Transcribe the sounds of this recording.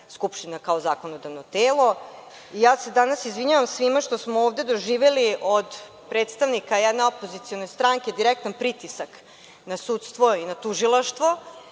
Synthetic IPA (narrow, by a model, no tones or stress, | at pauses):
skupʃt̪inakaozaːkonod̪aʋnot̪eːlˠo̞ | ijaːse̞d̪anasizʋiɲaʋamsʋimaʃt̪o̞smooːvd̪e̞d̪o̞ʒiːʋeliʔod̪ | pɾeːt̪st̪aʋnikajɛd̪neopo̞zit̪sio̞no̞jst̪ɾaŋked̪iɾek̚t̪anpɾit̪isak | nasut̪st̪ʋo̞inat̪uʒilˠaʃt̪ʋo̞